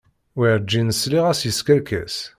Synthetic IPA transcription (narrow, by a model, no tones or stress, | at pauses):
wiɾd͡ʒːinəsliʁæsjəskælkæ̰s